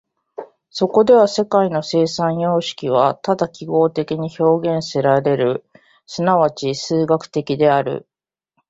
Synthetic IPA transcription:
so̞ko̞d̪e̞β̞ase̞kaino̞se̞ːsãɰ̃jo̞ːɕi̥kʲiβ̞at̪ad̪akʲiɡo̞ːt̪e̞kʲiɲ̟iço̞ːɡẽ̞ɰ̃se̞ɾaɾe̞ɾɯ̟ | sɨnaβ̞at͡ɕisɨːɡakɯ̟̥t̪e̞kʲid̪e̞aɾɯ̟̰

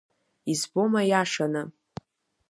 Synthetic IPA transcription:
izbo̞majaʂanɨ

